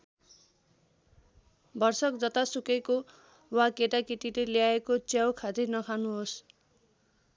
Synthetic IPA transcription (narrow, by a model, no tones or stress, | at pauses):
bʌrsʌk̚d͡zʌt̪asukeko | wakeʈakiʈileljaekot͡sjawkʰad̪enʌkʰanuɦos